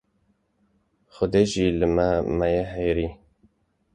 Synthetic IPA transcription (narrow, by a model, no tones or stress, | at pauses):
xʊd̪eʒiləmɛmɛjeɦɛjɾi